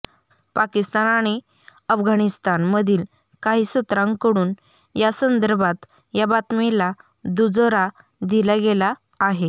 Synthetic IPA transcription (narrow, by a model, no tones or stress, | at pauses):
pakist̪anaɽ̃i | əfɡʱaɽ̃ist̪anməd̪ʱiːl | kaɦiːsut̪ɾãŋɡkəɽuːn | jasənd̪əɾbʱat̪ | jabat̪mila | d̪ud͡zoɾa | d̪ilaɡelaː | ɦe